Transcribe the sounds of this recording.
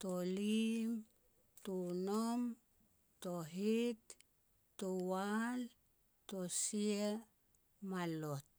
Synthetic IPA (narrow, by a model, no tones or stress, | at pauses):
tolim | tunom | toɦitː | owal | tosie | malot̚